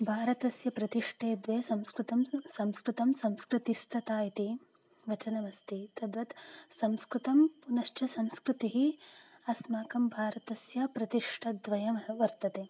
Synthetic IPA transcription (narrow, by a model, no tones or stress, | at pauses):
bʱaːɾɐt̪ɐsjɐpɾɐt̪iʂʈʰeːd̪ʋeːsɐmskɾut̪ɐmsɐmskɾut̪ɐmsɐmskɾɨt̪ist̪ʰɐt̪aːjit̪i | ʋɐt͡ʃɐnɐʋɐst̪it̪ɐd̪ʋɐt̪sɐmskɾut̪ɐmpunɐʃt͡ʃɐsɐmskɾɪt̪iɦiɐsmaːkɐmbʱaːɾɐt̪ɐsjɐpɾɐt̪iʂʈʰɐd̪ʋɐjɐʋɐɾt̪ɐt̪eː